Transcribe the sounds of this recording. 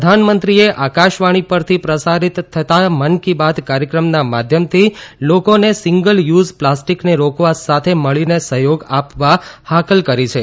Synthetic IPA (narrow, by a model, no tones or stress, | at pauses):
d̪ʱanmənt̪ɾieʔakaʃʋaɽ̃ipəɾt̪ʰipɾəsaɾit̪ʰːət̪amənkibad̪kaɾjəkɾəmnamad̪ʱjəmt̪ʰilokonesɪŋɡəljuzplasʈikneɾokʋasat̪ʰeməɭinesəɦjoɡapʋahakəlkəɾit͡ʃʰe